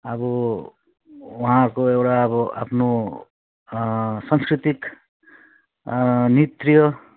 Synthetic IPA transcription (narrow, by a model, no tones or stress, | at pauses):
ʌbʌ | waɦãkoewʈaːbʌa̰pʰno | sʌŋskɾit̪ik | nit̪rijʌ